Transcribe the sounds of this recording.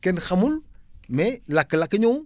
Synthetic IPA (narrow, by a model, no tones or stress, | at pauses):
kenxamulmelakːlakəɲo